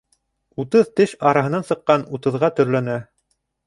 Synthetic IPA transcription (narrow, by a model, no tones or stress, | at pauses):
ut̪ɤðt̪ɘʃɑɾɑɦɤ̆nɑnsɤ̆qːɑnut̪ɤ̆ðʁɑt̪ɵ̆ɾlænæ